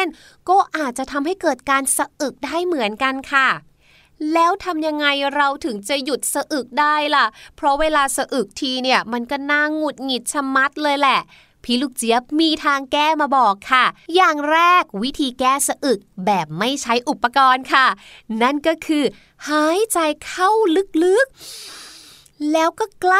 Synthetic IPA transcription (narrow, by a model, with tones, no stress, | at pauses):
n | kɔː˥˩ʔaː˨˩t̪̚t͡ɕa˨˩t̪ʰa˧mɦa˥˩jkɤː˨˩t̪̚kaː˧nsa˧ʔɯ˨˩k̚daː˥˩jmɯ˩˦ənka˧nkʰa˥˩ | lɛː˦˥wt̪ʰa˧mja˧ŋːa˧jɾa˧wt̪ʰɯ˩˦ŋt͡ɕa˨˩ju˨˩t̪̚sa˧ʔɯ˨˩k̚daː˥˩jla˨˩ʔpʰɾɔ˦˥weː˧laː˧sa˧ʔɯ˨˩k̚t̪ʰiː˧ni˥˩ɐma˧nkɔː˥˩naː˧˩ŋːu˨˩t̪̚ŋi˨˩t̪̚t͡ɕʰa˧mːa˦˥t̪̚lɤː˧jlɛ˨˩ʔ | pʰiː˧˩luː˦˥˩k̚t͡ɕi˨˦əp̚miː˧t̪ʰaː˧ŋkɛː˥˩maː˧bɔː˨˩kʰːa˥˩jaː˨˩ŋɾɛː˥˩k̚wi˦˥t̪ʰiː˧kɛː˥˩sa˧ʔɯ˨˩k̚bɛː˨˩p̚ma˥˩jt͡ɕʰa˦˥jʔu˨˩pːa˧kɔː˧nkʰa˥˩na˥˩nkɔː˥˩kʰɯː˧ | haː˦˥jt͡ɕa˧jkʰa˥˩wlɯ˦˥k̚lɯ˦˥k̚ | lɛː˦˥wkɔː˥˩kla˥